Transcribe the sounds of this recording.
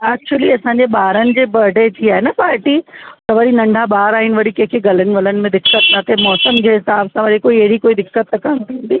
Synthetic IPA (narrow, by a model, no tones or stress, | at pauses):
ɛːk̚t͡ɕuəliɐsãɲd͡ʑeɓaːɾənɪ̆d͡ʑeːbɐɖʱet̪ʰiaːɦenɐpaːɾʈit̪ɐʋɐɾinɐ̃ɳɖʱaɓaːɾaːɦɪnɪ̆ʋɐɽikɐ̃ɦɪ̃kʰeɡɐlənɪ̆ʋɐlənɪ̆mẽd̪ɪkːət̪nɐt̪ʰemɔːsəmd͡ʑeːɦɪsaːbsãʋɐɾikoːiɐɦɾikoːid̪ɪkːət̪ːɐkaɽ̃t̪ʰiũːnd̪iː